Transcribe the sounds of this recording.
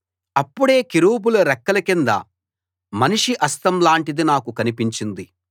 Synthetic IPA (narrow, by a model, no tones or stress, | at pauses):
ɐpːuɽe̞ːkiɾuːbuluɾɛkːɐlɐkind̪ɐ̰ | mɐniʂiʔɐst̪ɐmlaːɳʈid̪inaːkukɐnipiɲt͡ʃind̪i